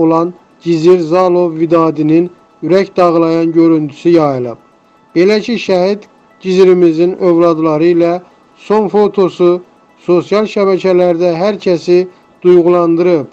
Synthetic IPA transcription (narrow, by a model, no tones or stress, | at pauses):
olˠɑn | ɟiziɾzɑlˠo̞vːid̪ɑːd̪inin | yɾæcd̪ɑʁlˠɑjɑnɟø̞ɾynt̪ʰy̥syjɑjɯlˠɯ̰b̥̚ | b̥e̞læcʰiʃæhid̪ | ɟiziɾimizinøvlˠɑd̪lˠɑɾɯilæ | so̞nfo̞t̪ʰo̞su | so̞sjɑlˠʃæβæcʰælæɾd̪æɦæɾcʰæsi | d̪̥ujʁulˠɑnd̪ɯɾɯb̥̚